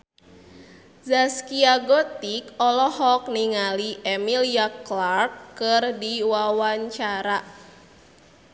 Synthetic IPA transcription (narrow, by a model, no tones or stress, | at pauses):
zaskiaɡɔt̪ikɔlɔhɔk̚niŋaliʔɛmiliaklarkːɨrdiwawaɲt͡ʃaɾa